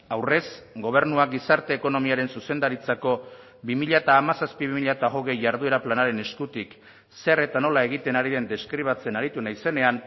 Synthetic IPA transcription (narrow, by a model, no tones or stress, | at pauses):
awre̞sɡo̞β̞e̞ɾnuaɡisaɾt̪e̞ːko̞no̞miaɾe̞nsuse̞nd̪aɾit͡sako̞ | bimiʎat̪aːmasaspiβimiʎat̪aɣo̞ɣe̞jʝaɾð̞ue̞ɾaplanaɾe̞ne̞skut̪ik | se̞re̞t̪ano̞lae̞ɣ̞it̪e̞naɾiðe̞nd̪e̞skɾiβ̞at͡se̞naɾit̪unajse̞ne̞an